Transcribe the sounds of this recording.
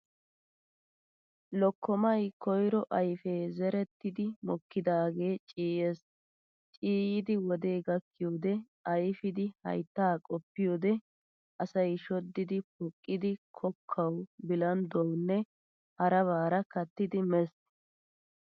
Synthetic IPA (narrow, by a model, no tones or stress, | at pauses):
lɔkːɔmɐjkʰɔjɾɔʔɐjfeːzɛɾɛt̪ːɪd̪ɪmɔkːɪd̪aːɡe̞ːt͡ʃʼiːje̞ːs | t͡ʃʼiːjɪd̪ɪwɔd̪e̞ːɡɐkːɪjoːd̪ɛ | ɐjfɪd̪ɪhɐ̰jt̪ːaːkʼɔpːɪjoːd̪ɛ | ɐsɐjʃɔd̪ːɪd̪ɪpʊkʼːɪd̪ɪkʰɔkʰːɐwbɪlɐnd̪ɔwnːɛ | hɐɾɐβaːɾɐkɐt̪ːɪd̪ɪmɛs